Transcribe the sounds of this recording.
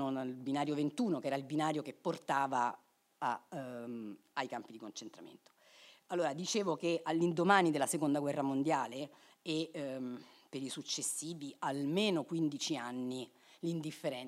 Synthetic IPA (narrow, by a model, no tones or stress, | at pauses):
oalbinaːɾjovent̪uːnokɛːɾailbinaːɾjokepːort̪aːvaː | ajkampid̪ikont͡ʃent̪ɾa̰mḛnt̪o̥ | alːoːɾad̪it͡ʃeːvokealːind̪omaːnid̪elːasekond̪aɡwɛrːamond̪jaːle | e | pːeɾisut͡ʃːesːiːvialmeːnokwind̪it͡ʃianːi | lind̪ifːeɾɛ